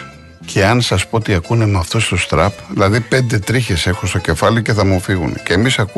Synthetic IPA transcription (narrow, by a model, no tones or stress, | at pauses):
cʰe̞ɐnsɐspo̞ot̪iɐkune̞mɐft̪o̞st̪ost̪ɾɐpðilɐðipe̞nd̪e̞t̪ɾiçe̞se̞xost̪o̞ce̞fɐlice̞θɐmufiɣunceːmisɐku